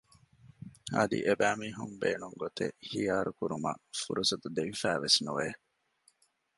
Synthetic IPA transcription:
ɐ̰d̪ḭʔebæːmiːɦumbeːnuŋɡot̪ḛhijaːɾukuɾumɐ̰fuɾusɐt̪ud̪eʋifæːʋesnṵʋeː

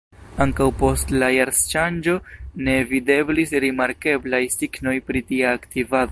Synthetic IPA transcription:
aŋkawpo̞stlajaɾst͡ʃand͡ʒo̞ne̞vide̞blisɾimaɾke̞blajsiɡno̞jpɾitiaːktivado

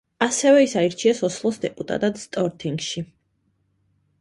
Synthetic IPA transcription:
asɛvɛisaiɾt͡ʃʰiasɔslˠɔsd̪ɛpʼut̪ʼa̰t̪ʼad̪st̪ʼɔɾt̪ʰiŋɡʃi

